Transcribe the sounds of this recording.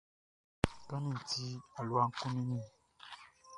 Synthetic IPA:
kã˦nĩ˦˨ti˦a˨lu˦a˦ŋ̩˦kũ˦nĩ˦nĩ˦

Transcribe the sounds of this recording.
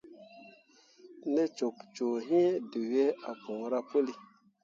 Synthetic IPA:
nɛ˦t͡ʃo˨kt͡ʃo˨ɦĩ˦du˨wje˦a˨kõ˨ŋ˦ɾa˦po˦li˦

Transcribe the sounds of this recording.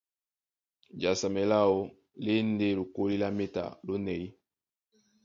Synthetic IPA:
d͡ʒa˨sa˨mɛ˨la˦o˦ | le˦n̩˦de˦lo˨ko˦li˦la˦me˦ta̰˨lo˦nɛ˨i˦

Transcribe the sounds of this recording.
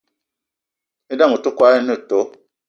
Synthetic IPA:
e˦da˦mu˨to˦kwa˦e˦nə˦˨to˨˦

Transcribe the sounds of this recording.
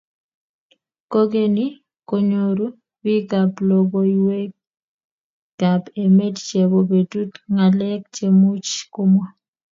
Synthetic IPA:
ko˦ɡe˦ni˦ | ko˨ɲoɾu˦ | bi˦ka˨plo˨bo˦iwe˦ | ɡ̥a˨pe˨me˦tt͡ʃe˨βobe˨tu˦tŋa˨lɛ˦k̚t͡ʃe˨mu˦t͡ʃko˦mwa˦

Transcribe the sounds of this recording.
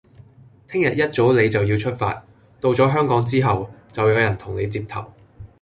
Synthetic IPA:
t̪ʰɪ˥ŋjɐ˨t̚jɐ˥t̚t͡so˨˥wle˨˧jt͡sɐ˨wjiː˧wt͡ʃʰɵ˥t̚fa̰ː˧t̚ | t̪o˧wt͡sɔː˨˥ɦœː˥ŋkɔː˨˥ŋt͡siː˥ɦɐ˨wt͡sɐ˨wjɐ˨˧wjɐ˨˩nt̪ʰʊ˨˩ŋne˨˧jt͡siː˧p̚t̪ʰɐ̰˨˩w

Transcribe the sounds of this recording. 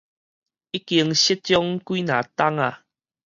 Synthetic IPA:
i˦ki˧əŋɕi˦t͡ɕjɔ˦ŋkui˦na˨ta˦ŋa̰˨

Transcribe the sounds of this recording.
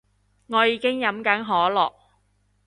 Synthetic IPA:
ŋɔː˨˧jiː˨˧kɪ˥ŋjɐ˨˧˥mkɐ˨˥nɦɔː˨˥lɔ̰ː˨k̚

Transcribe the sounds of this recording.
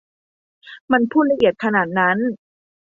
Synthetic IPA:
ma˧npʰuː˥˩t̪̚la˧˥ʔi˨˩ət̪̚kʰa˧naː˨˩t̪̚na˦˥n

